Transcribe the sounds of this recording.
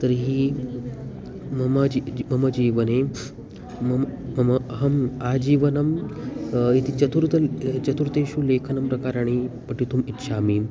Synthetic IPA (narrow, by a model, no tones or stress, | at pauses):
t̪əɾɦiː | mɐmad͡ʑimɐmɐd͡ʑiːʋɐne | mɐmmɐmɐɐɦɐmad͡ʑiːʋənɐm | it̪ʰiːt͡ʃɐt̪uɾt̪ɐt͡ɕɐt̪uɾt̪eɕuːlekʰɐnɐmpɾɐkaːɾaːɽ̃ipɐʈit̪uːmit̪ːʃʰaːmiː